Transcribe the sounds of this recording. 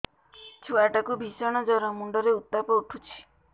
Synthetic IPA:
t͡ʃʰuaʈakubʱisɔɽ̃ɔd͡ʒɔɾɔmuɳɖɔɾeut̪ːapɔuʈʰut͡ʃʰi̥

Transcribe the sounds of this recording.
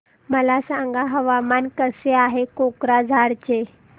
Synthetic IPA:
məlasãŋɡaɦəʋamankəseaɦekokɾad͡zʱaɾt͡ɕe

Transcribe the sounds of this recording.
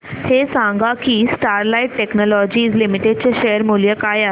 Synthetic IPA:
hesãŋɡakiːsʈaɾlaiʈːeknɔlɔd͡ʑiːd͡zlimiʈeɖ̚t͡ɕeɕejəɾmulijəkaja

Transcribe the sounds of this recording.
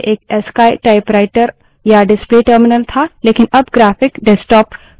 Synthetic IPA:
ʔeːkɛːskaːjʈaːɪpɾaːɪʈəɾ | jaɖɪspliʈəɾmɪnəlt̪ʰaleːkɪnɐbɡɾaːpʰɪkɖɛsʈɔːp

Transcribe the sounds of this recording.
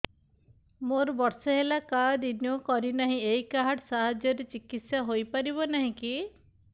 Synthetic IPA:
moɾbɔɾsɔɦelakad̪injokɔɾinaɦĩejkaɦaɽsaɦad͡ʒjɔɾet͡ʃikit̪sjaɦojpaɾiβɔnaɦĩki

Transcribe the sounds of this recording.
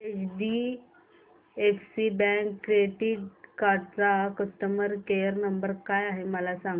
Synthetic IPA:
et͡ɕɖi | efsibɛ̃ŋkːɾeʈiʈkaɾɖt͡sakəst̪əməɾkejəɾnəmbəɾkajaɦeməlasãŋ

